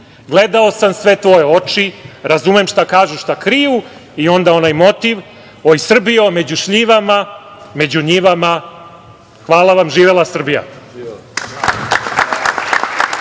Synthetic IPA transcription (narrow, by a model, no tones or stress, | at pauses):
ɡle̞d̪ao̞samsʋe̞t̪ʋo̞jeo̞t͡ʂiɾazumemʃt̪akaːʒuʃt̪akɾiju | io̞nd̪ao̞najmo̞t̪iʋ | ojsr̩bio̞me̞d͡ʑuʃʎiʋama | me̞d͡ʑuɲiʋama | xʋaːlˠaʋamʒiːʋelˠasr̩bija̰